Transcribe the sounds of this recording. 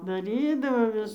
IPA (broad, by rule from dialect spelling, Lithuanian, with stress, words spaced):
dɐˈrʲiːdɐʋoː ˈʋʲɪs